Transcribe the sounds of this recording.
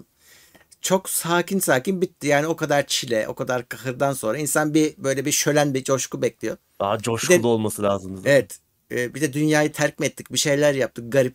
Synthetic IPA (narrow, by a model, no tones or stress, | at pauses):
t͡ʃʰo̞ksaːcinsaːcinbit̪ːijaːnio̞kad̪aɾt͡ʃʰilʲɛʔo̞̰kʰad̪aɾkʰahɯɾd̪anso̞nɾainsanbibø̞jlʲɛbiʃø̞lʲænbid͡ʒo̞ʃkubɛclʲijo̞ | ad͡ʒoʃbid̪ɛulˠuolˠmasɯlʲaːzɯmd̪izevɛt̪ː | bid̪ɛd̪ynjaːjɯt̪ʰæɾcmɛt̪ːicbiʃe̞jlʲæɾjap̚t̪ʰɯk̚ɡaɾip̚